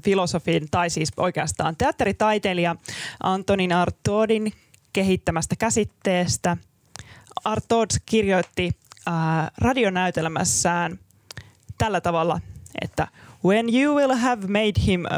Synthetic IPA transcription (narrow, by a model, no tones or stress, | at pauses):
filo̞sofiːnt̪ɑjsiːsʔo̞̰jke̞ɑst̪ɑ̰ːnt̪e̞ɑt̪ːeɾit̪ɑjt̪eliɑʔɑnt̪oninɑrt̪ːoːdin | ke̞ɦit̪ːæmæst̪ækæsit̪ːe̞ːst̪æ | ɑrt̪ːoːdskirjo̞jt̪ːiː | rɑdio̞næyt̪elmæ̰sːæːn | t̪ælːæt̪ɑʋɑlːɑʔḛt̪ːæ̰wenjuːwilˠɦævmejdhim